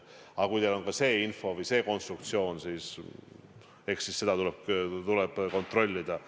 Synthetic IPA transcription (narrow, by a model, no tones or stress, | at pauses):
ɑkujt̪elo̞nkɑse̞ːinfo̞vəjse̞ːko̞nst̪rukt̪sio̞ːnsiːs | e̞ksisːe̞d̪̥ɑt̪uleb̚t̪ulɛb̥ko̞nt̪ro̞lʲːid̪̥ɑ